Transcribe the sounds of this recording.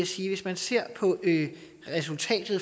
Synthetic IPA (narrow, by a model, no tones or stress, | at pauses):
æsiːʋe̝smænse̝ɐ̰pʰɒ̽øː | ʁɛsult͡sʰɛ̰ːd̥ð̩ˠ